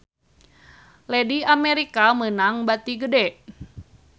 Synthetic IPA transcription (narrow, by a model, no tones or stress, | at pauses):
lɛdiamɛɾikamənaŋbat̪iɡədɛ